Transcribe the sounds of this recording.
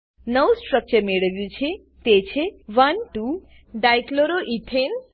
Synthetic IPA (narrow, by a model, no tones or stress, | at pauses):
nəwsʈɾək̚t͡ɕəɾmeɽəʋjut͡ʃʰe | t̪et͡ɕʰeʋənʈu | ɖajkloɾoʔit̪ʰen